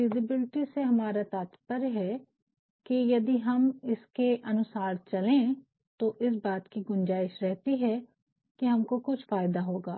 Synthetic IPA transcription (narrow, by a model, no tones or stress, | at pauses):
ɪzɪbɪlɪʈiseɦɐmaːɾat̪aːt̪pəɾɦɛ | kijɐd̪iɦɐmɪskeʔɐnʊsaːɾt͡ʃɐlẽ | t̪oʔɪs̬baːt̪kiɡʊnd͡ʒaːɪʃɾɛɦt̪iɦɛ | kiɦɐmkokʊt͡ʃʰfaːjd̪aɦoːɡaː